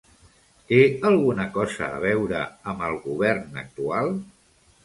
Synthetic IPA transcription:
t̪eəlˠɣunəkɔzə̰ːβ̞ɛwɾəəmbəlˠɣuβɛrnə̰k̚t̪ualˠ

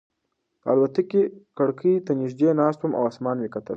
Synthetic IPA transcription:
pəa̰lwat̪akekaɽkʰəjt̪anɪʃd̪eːnɑːst̪uma̰wɑsmɑːnwekɐt̪ə̰l

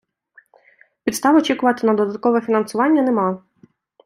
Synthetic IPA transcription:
pʲit̪st̪ɑʋɔt͡ʃʲikʊʋɐt̪ɪnɐd̪ɔd̪ɐt̪̚kɔʋɛfʲinɐnsʊʋɑnʲːɐnɛmɑ

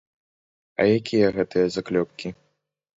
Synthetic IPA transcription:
ɐ̰jakʲʰijɐɣɛt̪ɨjɐzaklʲɔp̚kʲi

